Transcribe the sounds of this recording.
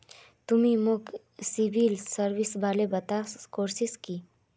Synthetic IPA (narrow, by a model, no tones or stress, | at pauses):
t̪umimok | sibilsəɾʋisbaːlebɐt̪aːskoːɾsiski